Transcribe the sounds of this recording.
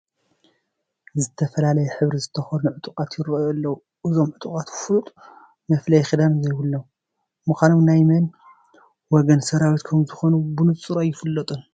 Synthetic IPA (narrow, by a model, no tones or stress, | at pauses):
zɨt̪ʰːɐfɐlalɐjɛħɨβɾizɨt̪ʰːɐxonɨnʕʊt̪ʼukʼat̪jɪɾojɐlːɐwu | ʔɨzo̞mʕɨt̪ʼukʼat̪fut̪ʼ | mɐflɐjxid̪anzɐjwulːow | mɨxʷanomnajmɐn | wɔɡɐnsɐɾawit̪kʰɐmzɨxo̞nubɨnɨt͡sʼɨɾajɪfɨlːɐt̪ʼun